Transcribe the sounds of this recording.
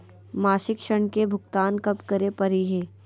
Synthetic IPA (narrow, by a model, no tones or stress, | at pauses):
maːʃɪkʃəɳ̃kebʱʊɡt̪aːnkɐpkɐɾepɐɾiɦeː